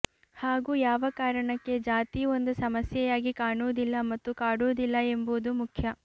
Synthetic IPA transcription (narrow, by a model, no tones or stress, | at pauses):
haːɡuːjaːʋɐkaːɾɐɳɐkːe̞d͡ʒaːt̪io̞nd̪usɐmɐsjɛjaːɡikaːɳuʋd̪ilːɐmɐt̪ːukaːɽuːd̪ilːɐe̞mbuːd̪umukʰjɐ